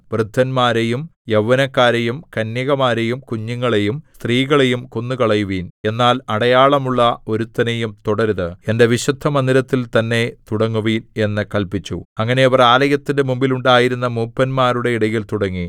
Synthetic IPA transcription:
brɨd̪ʱːɐnmaːɾejumjɐʋːɐnɐkːaːɾejumkɐnjɐɣɐmaːɾe̞jumkuɲːuŋːɐɭe̞jumst̪riːɣɐɭe̞jumkonːukɐɭɐjuʋiːne̞nːaːlɐɽɐjaːɭɐmuɭːɐo̞ɾut̪ːɐnejumt̪uɽɐɾðɨe̞nde̞ʋiɕɐd̪ʱːɐmɐnd̪ilɐt̪ːilt̪ɐnːe̞t̪uɽɐŋːuʋiːne̞nːɨkɐlpit͡ɕːṵɐŋːɐne̞ɐʋɐraːlɐjɐt̪ːinde̞mumbiluɳɖaːjiɾunːɐmuːpːɐnmaːɾuɽe̞iɽɐjilt̪uɽɐŋːi

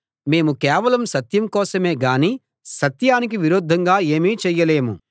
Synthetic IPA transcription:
me̞ːmukɛːʋɐlɐmsɐt̪jɐmkɔːsɐmeːɡaːniː | sɐt̪jaːnik̬iʋiɾoːd̪ʱːɐŋɡaːeːmiːt͡ʃɛjːɐle̞ːmṵ

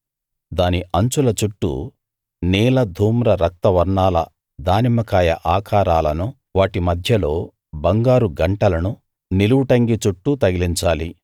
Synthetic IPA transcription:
d̪aːniʔɐɲt͡ʃulɐt͡ʃuʈːṵ | niːlɐd̪ʱuːmɾɐɾɐk̚t̪ɐʋɐɾɳaːlɐ | d̪aːnimɐkaːjɐʔaːkʰaːɾaːlɐnu | ʋaːʈimɐd̪ʱjɐlo̞ː | bɐŋɡaːɾuɡɐɳʈɐlɐnu | niluwuʈɐŋɡit͡ʃuʈːut̪ɐɡiliɲt͡ʃaːli

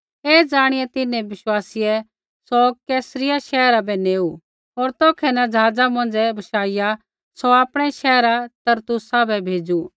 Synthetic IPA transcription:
ɛːd͡ʒaːɽ̃ɪjɛt̪ɪnːɛ̃ʋɪʃwaːsɪjɛ | sɔkɛːsɾɪjaʃɛːɾabɛneːu | ɔːɾt̪ɔːkʰɛnɐd͡ʒɐɦaːd͡zamɐ̃nd͡zɛbʱɐʃaːɪja | sɔaːpɽ̃ɛʃɛːɾat̪ɐɾt̪ʊsabʱɛbʱeːd͡ʒu

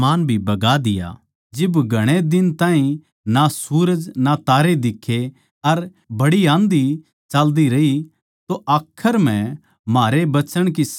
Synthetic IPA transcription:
aːnbʱibɐɡad̪ɪja̰ | d͡ʒɪbɡʱɐɽ̃ed̪ɪnt̪ãːɦĩ | nasuːɾəd͡ʒnat̪aːɾed̪ɪkʰːe | ɐɾ | bɐɽiãːnd̪i | t͡ʃaːld̪iɾɐi | t̪oʔaːkʰːəɾm̤ɛ̃ | maːɾebɐt͡ʃəɽ̃kis

